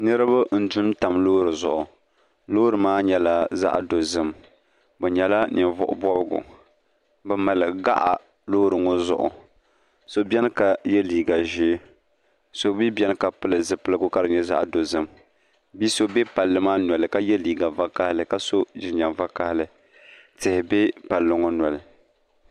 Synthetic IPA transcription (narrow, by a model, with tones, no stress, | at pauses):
nɨ˦ɾɨ˦ba˦n̩˨du˦m˦ta˨mloː˦ɾɨ˨zʊ̰˨ʔʊ˨ | loː˦ɾɨ˨maː˦ɲɛ˨la˦za̰˦ʔdo˨zɨ˦m | bɛ˨ɲɛ˨la˦nɪ˨nvʊ̰˨ʔʊ̰˨bɔ˦bɨ˦ɡʊ̰˨ | bɛ˨ma˨lɨ˨ɡɡa̰˦ʔa̰˨ | loː˦ɾɨ˨ŋo˦zʊ̰˨ʔʊ̰˨ | so˦bʲɛ˦n˦ka˨jɛ˦liː˨ɡa˨ʒɪː˦ | so˦bi˦bʲɛ˦n˦ka˨pɨ˦lɨ˨zɨ˨pɨ˦lɨ˦ɡʊ˦ka˦ɾɨ˨ɲɛ˦za̰˦ʔdo˨zɨ˦m | bi˦so˦bɛ˦pa˨lːɨ˦maː˦nwɔ˨lɨ˨ka˦jɛ˦liː˨ɡa˨va˦ka˦hɪ˦lɨ˨ka˦so˦ʒɪ˨ɲa˨mva˦ka˦hɪ˦lɨ˨ | tɪ˨hɪ˨bɛ˦pa˨lːʊ˨ŋɔ˦nwɔ˨lɨ˨